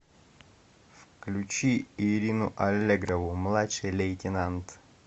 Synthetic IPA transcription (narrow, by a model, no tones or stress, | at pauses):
fklʲʉt͡ɕiiɾʲinʊʔɐlʲːeɡɾɐvʊmlˠatʂɨjlʲejtʲɪnant̪